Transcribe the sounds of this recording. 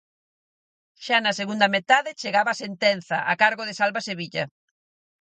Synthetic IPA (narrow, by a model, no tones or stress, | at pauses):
ʃanɐseɣund̪ɐmet̪aðɪt͡ʃeɣaβaːsent̪en̟θɐʔakaɾɣoðɪsalβaseβiʎɐ